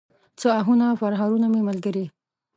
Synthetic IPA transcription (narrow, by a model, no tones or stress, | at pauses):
t͡səaɦunafaɾɦɑɾunamemalɡəɾi